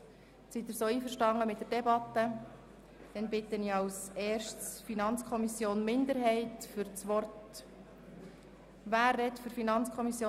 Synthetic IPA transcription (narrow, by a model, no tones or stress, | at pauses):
sit̪ɪɾsoːiːfəɾʃtɑŋːəmɪt̚d̥ɛɾdɛbɑt̪ə | d̥ɛnbɪt̪ːəniɑwsɛːɾʃtsfinɑnt͡skʰɔmisjoːnmɪnd̪əɾɦɛɪtfʏɾt͡sʋɔrt | ʋæːrːɛtfɵɾfinɑnt͡skʰɔmisjoː